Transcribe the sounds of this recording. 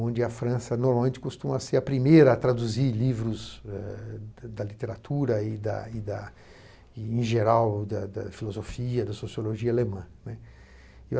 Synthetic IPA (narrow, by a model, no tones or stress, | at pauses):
õd͡ʒɪɐfɾɐ̃sɐnoɾmawmẽnt͡ʃɪ̥kost̪ũmɐseɐpɾimejɾɐːt̪ɾad̪uzilivɾʊzɛd̪ɐlit̪eɾat̪ʰuɾɐɪd̪ɐ̰ɪd̪ɐ | ẽʒeɾawd̪ɐd̪ɐfilozofiɐd̪ɐsosioloʒiɐalemɐ̃nɛ